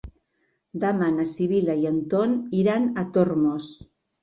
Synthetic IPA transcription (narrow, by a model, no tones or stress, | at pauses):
d̪amanasiβ̞ilajant̪oniɾanat̪oɾmos